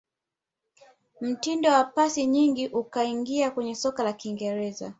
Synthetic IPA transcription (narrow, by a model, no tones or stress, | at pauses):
m̩tindɔwapasiɲiŋɡiʔukaiŋɡiakwɛɲɛsɔkalakiŋɡɛɾɛza̰